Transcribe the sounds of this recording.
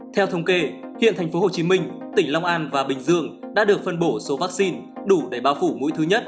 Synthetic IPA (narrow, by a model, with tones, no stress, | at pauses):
t̪ʰɛ˧wt̪ʰə˧wŋ͡mke˧hḭ˧˨ənt̪ʰɛ˨˩ŋ̟fo˨˦ho˨˩t͡ɕi˨˦mï˧ŋ̟t̪ï˧˩ŋ̟la˧wŋ͡mʔaː˧nvaː˨˩ɓï˨˩ŋ̟zɨ̰˧˨əŋɗa̰ː˧˥ɗɨ˨˩ək̚fə˧nɓo˧˩so˨˦vaː˦˥k̚si˧n | ɗu˧˩ɗə˧˩ɓaː˨˦wfu˧˩mṵ˧˥jt̪ʰɨ˨˦ɲə˦˥t̚